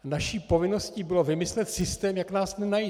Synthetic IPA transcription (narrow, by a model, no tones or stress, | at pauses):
naʃiːpo̞vɪno̞sciːbɪlo̞vɪmɪslɛt̪sɪst̪ɛːmjaknaːsnɛnaji